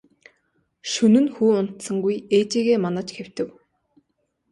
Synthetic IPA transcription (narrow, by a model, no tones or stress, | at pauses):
ʃɵnɵ̆nxuːʊn̥t̪sə̆ŋɡujeːt͡ɕiːɣeːmanə̆t͡ɕxew̥t̪ɘ̆w